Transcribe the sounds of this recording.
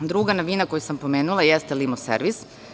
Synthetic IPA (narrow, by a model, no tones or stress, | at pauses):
d̪ɾuɡanoʋinakojusampo̞me̞ːnulˠajest̪elimosḛɾʋis